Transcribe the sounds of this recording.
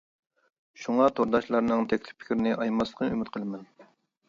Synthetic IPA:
ʃuŋɑt̪ʰoɾd̪ɑʃlˠɑɾnɨŋt̪ʰɛkʲlɪ̥ppʰɪ̥kʲɪɾɪnɪʔɑjmɑsə̥qʰənymɪt̪qʰəlˠɨmɛn

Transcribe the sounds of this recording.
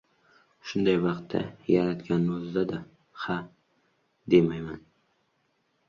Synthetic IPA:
ʃʊnd̪ajvɑqt̪ʰːa̰jaɾat̪kʲanːozd̪ad̪a | ha | d̪emajman

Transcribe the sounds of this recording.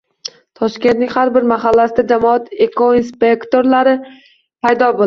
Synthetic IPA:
t̪ʰɒʃkʲe̞nt̪nɪŋʲhaɾbɪɾmaɦalːasɪd̪ad͡ʒamɒat̪ekoinspe̞kt̪o̞ɾlaɾɪ | pʰajd̪ɒbol

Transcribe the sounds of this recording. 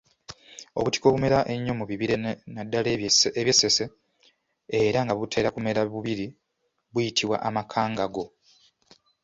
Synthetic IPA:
o̞̰βuti̥ko̞ːβume̞ɾaʔe̞ɲːo̞muβiβiɾenadːaleβjesːe̞se̞ | eɾaŋɡaβutʰe̞ːɾakume̞ɾaβuβiɾi | βwujitʰiβwa̰ʔamakʰaːŋɡaɡo̞

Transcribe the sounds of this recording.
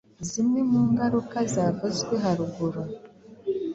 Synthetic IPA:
zimŋemuːŋɡaɾukazaːvazɡweɦaɾuɡuɾa

